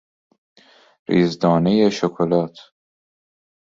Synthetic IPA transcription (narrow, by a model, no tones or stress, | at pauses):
ɾiːzd̪ɒːnejeʃokʰolɒːt̪ʰ